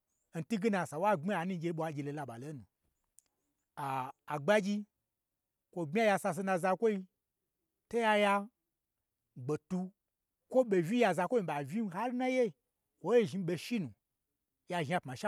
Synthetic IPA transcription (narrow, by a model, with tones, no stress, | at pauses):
n̩˨tu˦ɡi˦na˧˨sa˨wa˦ɡ͡bi˦a˨nũ˦˧˦ɡʲe˧˦ɓʷo˧a˨d͡ʒʲi˧lo˨la˧ɓa̰˨lo˨˦nũ˨ | aː˨ɡ͡ba˦d͡ʒi˧ | kʷo˨ɡ͡bʲa˦ja˧sa˧s̬e˧na˧za˧kʷo˦i˧ | to˦ja˧ja˧ | ɡ͡be˨tu˧ | kʷo˦ɓe˨vʲi˦ja˧za˧kʷo˦i˧ɓa˨vi˦n˦ɦa˦lu˦na˦je˦˨ | kʷo˨˦e˦ʒi˧˦ɓe˧ʃi˦nũ˨ | ja˧ʒa˧˨pma˨ʃa˦